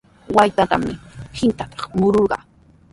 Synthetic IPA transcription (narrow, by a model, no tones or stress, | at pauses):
wajt̪at̪a̰mɪhɪnt̪at̪ɑ̥χmʊɾoɾɢɑ̰ː